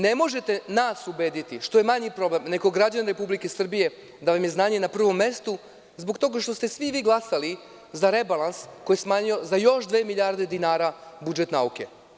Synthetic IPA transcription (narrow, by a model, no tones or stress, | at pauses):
ne̞mo̞ʒe̞t̪e̞naːsube̞ːd̪it̪iʃt̪o̞jemaɲipɾo̞ble̞mneɡoɡɾad͡ʑanɾe̞publike̞sr̩bije̞ | d̪aʋamje̞znaːɲe̞napr̩ʋo̞mːe̞st̪u | zbokt̪o̞ːɡaʃt̪o̞st̪e̞sʋiʋiːɡlˠasali | zaɾe̞balˠansko̞jesmaːɲio̞zajo̞ʃd̪ʋe̞ːmiʎʲaːɾd̪e̞d̪inaːɾabud͡ʒe̞t̪nauke̞̰